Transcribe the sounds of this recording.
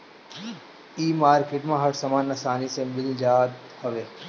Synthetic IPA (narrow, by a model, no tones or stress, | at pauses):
iːmaːɾkeʈmãɦɐɽsɐmaːnːɐsaːnisẽbɪld͡ʒaːt̪ | hɐʋeː